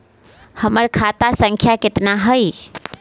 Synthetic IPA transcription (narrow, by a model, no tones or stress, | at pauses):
həməɾkʰat̪asəŋkʰjaket̪naɦəj